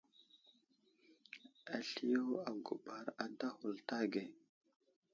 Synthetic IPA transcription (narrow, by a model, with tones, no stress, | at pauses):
a˨ɬi˦jo˦wo˦a˨ɡu˨ɓa˨ɾa˨da˦hu˨lta˦ɡe˨